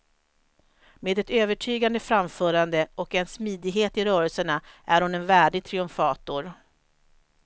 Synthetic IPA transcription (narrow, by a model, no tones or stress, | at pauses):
meːd̪ɛt̪øːvəʈʰyːɡand̪əfɾamfœːɾand̪əɔkɛnsmiːd̪ɪɡɦeːt̪ɪɾœːɾəlsəɳaʔæɾhʊnɛnvæːɖɪɡ̚t̪ʰɾɪɵmfɑːt̪ʊɾ